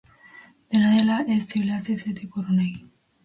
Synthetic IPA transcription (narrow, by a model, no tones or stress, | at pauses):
d̪̥enaðelaʔest̪iβlaseset̪ekoɾonej